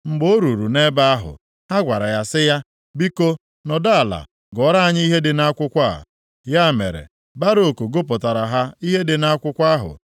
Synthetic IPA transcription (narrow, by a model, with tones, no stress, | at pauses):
ŋ͡m̩˨ɡ͡bo˦ɾu˨ɾu˨ne˦ba˦a˦ɦʊ̰˨ | ha˦ɡʷa˨ɾa˨ja˨sɪ˦ja˦ | bi˦ko˦ | nɔ˨da˦a˨la̰˨ | ɡɔ˨˦ɾa˦a˨ɲɪ˦i˦ɦe˦dɪ˨na˦kʷʊ˦kʷa˦˨ | ja˦mḛ˨ɾḛ˨ | ba˦ɾo˦˨ko˨ɡo˦pɔ˨ta˨ɾa˨ɦa˦i˦ɦe˦dɪ˨na˦kʷʊ˦kʷa˦ɦʊ̰˨